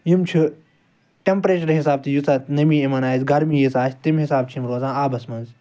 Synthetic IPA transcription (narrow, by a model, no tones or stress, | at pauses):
jimt͡ʃʰu | ʈempɾeːt͡ʃɐɾɦisaːb̚t̪ʰijusɐt̪nɐmiːimɐnaːjzɡɐɾmiːjisaːsʰt̪imɦisaːb̚t͡ʃʰimɾoːzãːaːbɐsmɐnz